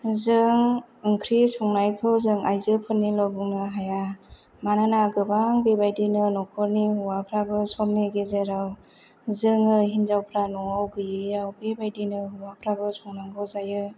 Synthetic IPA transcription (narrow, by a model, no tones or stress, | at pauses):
zɯŋ | ɯŋkʰɾisɔŋnajkʰɯwzɯŋajzɯpʰɯnːilɔbɯŋnɯɦaja | mananaɡɯbaŋbebajdinɯnɔkʰɔɾnihuwapʰɾabɯsɔmːeɡezeɾaw | zɯŋɯɦinzawpʰɾanɔŋawɡɯjɯjawbebajdinɯɦuwapʰɾabɯsɔŋnaŋkʰɯwzajɯ